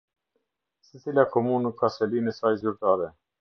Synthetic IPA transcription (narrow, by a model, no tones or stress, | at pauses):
sɛt͡silʲakɔmunəkʰːasɛlinəsajzyɾt̪aːɾɛ